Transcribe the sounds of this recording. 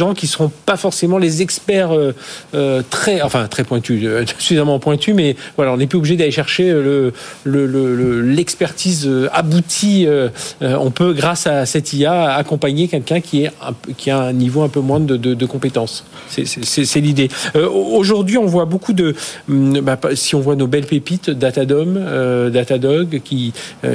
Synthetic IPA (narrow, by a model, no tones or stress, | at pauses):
ʒɑ̃kʲisəʁɔ̃pafɔʁsemɑ̃lezɛkspɛʁøøt̪χɛɑ̃fɛ̃t̪χɛpwɛ̃t̪yøʒəsyfizamɑ̃pwɛ̃t̪ymɛvwalaɔ̃nɛp̬lyobliʒed̪aleʃɛʁʃeølələlələlɛkspɛʁt̪izøabut̪ʰiøɔ̰̃pøɡʁasasɛt̪iaakɔ̃paɲekʲɛlkʲɛ̃kʲiɛɛ̰̃pkʲiaɛ̃nivoɛ̃pømwɛ̃d̪əd̪əd̪əkɔ̃pet̪ɑ̃s | sɛsɛsɛsɛlid̪eøoʒuʁd̪ɥiɔ̃vwabokud̪ə | basiɔ̃vwanobɛlpepit̪d̪at̪ad̪ɔmød̪at̪ad̪ɔɡkʲiø̰